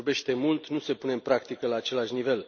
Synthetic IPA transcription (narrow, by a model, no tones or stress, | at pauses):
rbe̞ʃt̪e̞mult̪nuse̞pune̞mpɾakt̪ikəlaːt͡ʃe̞laʃnive̞l